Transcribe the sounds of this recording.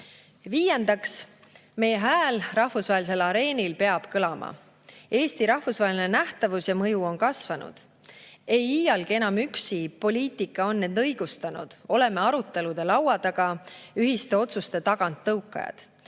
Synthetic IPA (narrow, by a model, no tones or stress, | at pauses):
viːje̞nd̪̥ɑks | me̞jeɦæːlrɑhfusvɑɦelis̬e̞lɑɾe̞ːnilpe̞ɑb̥kɤlɑmʔɑ̰ | e̞ːst̪iɾɑhfusvɑɦelinenæht̪ɑvusjɑmɤjuo̞nkɑsvɑnṵd̪̥ | e̞jiːjɑlɡ̥ie̞nɑmyksipo̞lʲiːt̪ˑikːˑɑo̞nːend̪ɤjɡ̥ust̪ɑnṵd̪̥o̞le̞me̞ɑɾut̪ˑːe̞lud̪̥e̞lɑwɑd̪̥ɑɡ̥ɑyɦist̪e̞o̞t̪sust̪e̞t̪ɑɡ̥ɑnt̪ːɤukːˑɑ̰jɑ̰d̪̥